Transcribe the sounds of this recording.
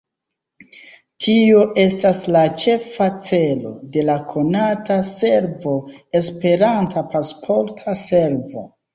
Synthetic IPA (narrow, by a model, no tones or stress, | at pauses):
tʰioʔe̞staslat͡ʃe̞fat͡se̞lo̞̰de̞lakʰo̞natase̞ɾvo̞e̞spe̞ɾantʰapaspʰo̞ɾtʰase̞ɾvo̞̰